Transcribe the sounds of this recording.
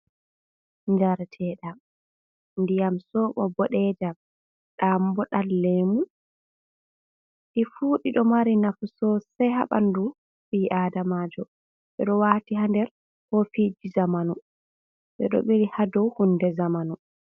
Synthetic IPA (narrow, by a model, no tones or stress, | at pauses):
ɲd͡ʒaɾtʰɛːɗa | ndijamsɔɓɔbɔɗɛd͡ʒa | ɗambɔɗalːemu | ɗifuːɗiɗɔmaɾinafusɔsɛjɦa̰ɓa̰ndu | ɓiʔaːdamaːd͡ʒɔ | ɓɛɗɔwaːtiɦandɛɾ | hɔfid͡ʒizamanu | ɓɛɗɔ̰ɓeɾihadɔwhundɛzamanu